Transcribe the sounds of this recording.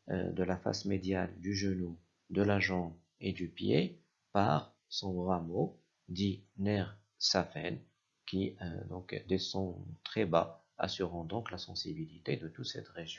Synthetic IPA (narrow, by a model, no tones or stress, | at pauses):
d̪əlafa̰smed̪jald̪yʒənu | d̪əlaʒɑ̃b | ed̪ypje | pa̰ʁ | sɔ̃ʁamo | d̪inɛʁ | safɛ̰n | kʲḭd̪ɔ̃kd̪esɔ̃t̪χɛba | a̰syʁɑ̃d̪ɔ̃klasɑ̃sibilit̪ed̪ət̪ut̪sɛ̰t̪ʁeʒjɔ̃